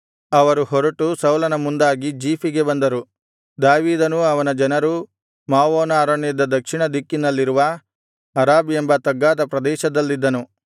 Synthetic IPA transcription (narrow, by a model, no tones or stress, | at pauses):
ɐʋɐɾuhɔɾɐʈusɐwlɐnɐmund̪aːɡid͡ʒiːpiɡe̞bɐnd̪ɐɾu | d̪aːʋiːd̪ɐnuɐʋɐnɐd͡ʒɐnɐɾu | maːʋoːnaːɾɐɳɐd̪ɐd̪ɐkʂiɳɐd̪ikːinɐlːiɾuʋɐː | ɾaːbembɐt̪ɐɡːaːd̪ɐpɾɐd̪ɛːʃɐd̪ɐlːid̪ːɐnu